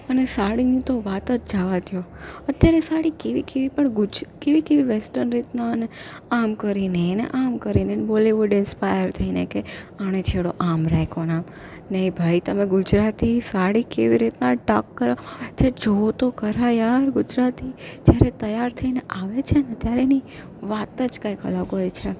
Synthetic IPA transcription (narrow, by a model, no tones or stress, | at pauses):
ənesaɽinit̪oʋat̪ət̪̚d͡ʒaʋat̪ʰjoət̪jaɾesaɽikeʋikeʋipəɳɡʊd͡ʒkeʋikeʋiʋesʈəɾnɾit̪naneamkəɾinenḛʔamkəɾinenboliʋʊɖɪnspajəɾt̪ʰəinḛkeaɽ̃et͡ʃʰeɭoʔamɾɛjkʰonam | nəibʱajt̪əmẽɡʊd͡ʒɾat̪isaɽikeʋiɾit̪naʈakːəɾat͡ʃʰed͡ʒot̪okəɾajaɾɡʊd͡ʒɾat̪id͡ʒjaɾet̪əjaɾt̪ʰəineʔaʋet͡ʃʰenet̪jaɾeni | ʋat̪əd͡ʒkãjkə̰laɡɦojt͡ʃʰe